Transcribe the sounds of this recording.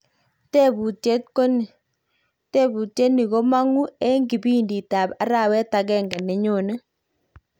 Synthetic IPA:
te˦˨bu˨t͡ʃe˦t̚ko˦n˨ | te˦bu˨t͡ʃe˦ni˨ɣo˦ma˦ŋu˦ɛ˦ŋɡi˨biː˦ndi˨ta˨ba˦ɾa˦˨wɛ˦ta˨ɡɛ˦˨ŋɡɛ˨nɛ˨ɲo˦˨nɛ˦

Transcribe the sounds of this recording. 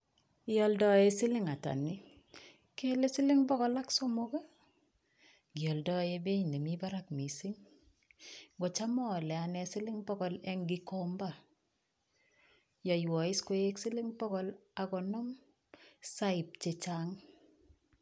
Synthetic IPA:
ɪjɔ˦ldɔ˦e˦sɪ˦lɪ˦ŋa˨ta̰˨ni˦ | ke˦le˦sɪ˦lɪ˦ŋbɔ˦kɔ˦la˦kso˦mo˦ka˦ | ɡi˨ɔ˨ldɔ˦je˦be˦ɲne˨mi˦ba˦ɾa˦k̚mi˨sɪ˦ŋ | ŋɡɔ˨t͡ʃa˦mɔ˦˨lɛ˨a˨nɛ˨sɪ˦lɪ˦ŋbɔ˦kɔ˨lɛŋɡi˨komba˦ | jɔ˨jwɔ˨ɪ˦sko˦je˦ksi˦lɪ˦ŋbɔ˦kɔ˦la˨kɔ˨nɔ˦m | sa˦ɪ˨p̚t͡ʃe˨t͡ʃaŋ

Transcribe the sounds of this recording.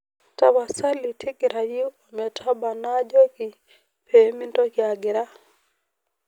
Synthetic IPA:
ta˨βa˨sa˦li˨tʰɪ˦ɡɪ˨ɾʔa˨ji˦kɔ˨ma˨tʰa˦ba˨na˦d͡ʒɔ˦ki˨ | pʰe˨˦mi˦ntɔ˦kɪ˨a˨ɡɪ˨ɾa˦

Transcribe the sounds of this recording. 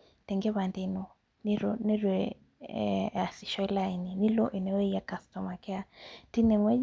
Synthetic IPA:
tɛ˨ŋɡɛ˦βa˨ndɛnɔ˨ | niɾɔnɛ˦ɾwɛ | a˨si̥˨ʃɔ˦ila˦ini˨ni˦lɔ˦ʔɛ˨nɛ˨wɛ˦ija˨kastɔmakɛ˦a˦ti˦nɛ˨ŋwɛ˦

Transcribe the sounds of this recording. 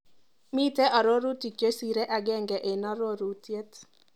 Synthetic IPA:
mi˦te˦ʔa˨ɾo˦ɾu˦ti˨kje˦si˨ɾe˦ʔa˨ɡɛ˦˨ŋɡɛ˨ʔe˨nɔ˦ɾo˦˨ɾu˨tje˦t

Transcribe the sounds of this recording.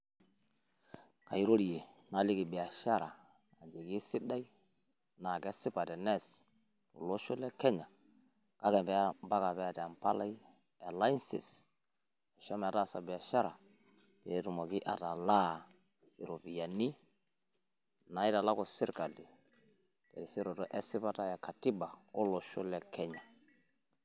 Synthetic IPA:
ka˨i˦ɾo˦ɾje˨na˨lɪ˦kɪ˨bɪ˨a˨ʃa˦ɾaː˨ | d͡ʒe˨ɡi˦sɪ˦da˦i˦ | na˨kɛ˦sɪ˦pa˨tɛ˨nɛ˦˨s | tɔ̰˨lɔ˦ʃɔ˦lɛ˦kɛ˦ɲa˨ | ka˦kɛ˨mbɛ˦mba˦ka˨pɛ˦a˨tɛ˨a˨mpa̰˦la˦i˦ | a˨la˦i˦nsɪ̰˨s | ɛ˨ʃɔ˦m˨a˨ta˦˨sa˨bɛ˨a˨ʃa˦ɾa˨ | ɛ˨˦tu˨mo˨ki˦ʔa̰˨ta˨la˦ | i˨ɾo˨pi˨ja˨ni˦ | na˨ɪ˦ta˨la˦kɔ˨sɪ˦ɾka˨li˨ | kɛ̰˨di˨si˦ɾɔ˨tɔ˦ʔɛ˦sɪ˦pa˦ta˦ja˨ka˨ti˦ba˨ɔ˦lɔ˨ʃɔ˦lɛ˨kʰɛ˦ɲa˨

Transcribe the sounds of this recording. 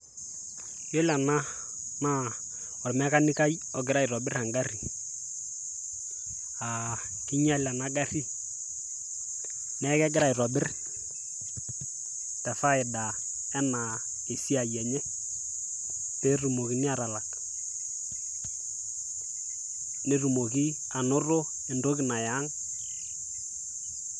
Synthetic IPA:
jɔ˦la˨na˦ | na˦ | ɔ˨ɾmɛ˦ka˦nɪ˦ka˦jɔ˦ɡɪ˨ɾa˦i˨ɾɔ˨bɪ˦ɾa˨ŋɡa˦ri˨ | a˨ | kɪ˦ɲa˦la˨na˦ɡa˦ri˦ | nɛ˦kɛ˦ɡɪ˦ɾa˨i˨ɾɔ˨bɪ˦r | tɛ˨fa˦ɪ˨da˨ | ɛ˦na˨ | e˨si˦a˨jɛ˨ɲɛ˦ | pe˦ɾu˨mo˨ki˨˦nɪ˦a˨ɾa˨la˨k | ne˦ɾu˨mo˨ki˦ | a˨nʊ˦ɾo˦ | e˨ndo˦kɪ˨na˨ja˨˦ŋ

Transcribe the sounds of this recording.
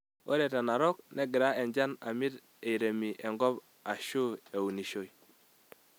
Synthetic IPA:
o̰˦ɾe˨ta˨na˨ɾɔ˦k̚ne˦ɡɪ˨ɾa˦ɛ˨ɲd͡ʒa˦na˨mi˦t | e˨i˨ɾe˨mi˨ʔɛ˨ŋɡɔ˦p | a˨ʃu˦e˨u˨ni˨ʃo˨i˨

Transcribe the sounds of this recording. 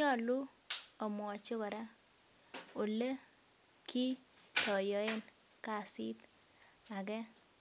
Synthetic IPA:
ɔ˦˨lʊ˦ | ɔ˨mʊ˨ɔ˨t͡ʃo˦kɔ˨ɾa˦ | o˨le˦ | kʰi˦ | tɔ˨jɔ˨˦ɪ˦n | ka˦˨sɪ˦t̪ | a˨ɡɛ˦

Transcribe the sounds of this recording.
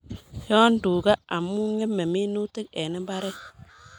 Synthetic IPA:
joː˦n˦duː˨ɡa˦a˨mːu˦ŋe˦mːe˨mi˦nu˦te˦ke˨ni˦ba˦ɾe˦

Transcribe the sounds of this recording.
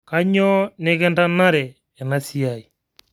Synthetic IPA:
ka˦ɲɔ˦nɪ˦kɛ˦nda˦na˦ɾɛː˨ | na˦si˦a˨i˨

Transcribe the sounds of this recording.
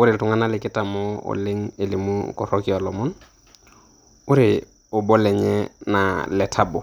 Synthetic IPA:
ʊ˦ɾe˨tʊ˦ŋa˦na˦lɪkɪ˦tamɔo̰˨lɪ˦ŋe˨li˨mukɔɾɔkia˨lɔmɔ˦n | u˦ɾe | ɔ˨bɔ˦lɛ˨ɲɛ̰nalɛ˨tʰa˦bʊ˨

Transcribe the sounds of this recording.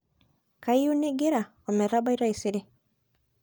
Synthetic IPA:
ka˦ju˦ne˦ɡe˦ɾa˨ | ɔ˨mɛ˨ɾa˦ba˦i˦ɾa˦i˨si˦ɾi˦˨

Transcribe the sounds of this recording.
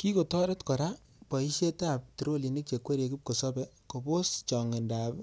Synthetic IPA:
ki˦ko˨tɔ˦ɾɛ˦tkɔ˨ɾa˦ | pɔ˨i˦ʃe˦ta˦˨p̚ti˨ɾo˦li˨ni˦k̚t͡ʃe˨kwe˦ɾe˧ku˦p̚ko˨sɔ˦bɛ˦ | ko˨bo˦st͡ʃɔ˨ŋe˨nda˨p

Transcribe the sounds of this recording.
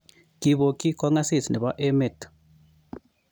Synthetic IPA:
ki˨βo˨ki˦ka˦ŋa˦si˦˨snḛ˨βa˦ʔe˦me˨t̪

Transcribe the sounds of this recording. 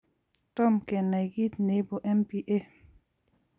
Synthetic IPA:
tɔ˦˨mkɛ˨nːa˨ɡi˦tne˨˦bo˨ʔɛ˦mpi˨ʔe˦

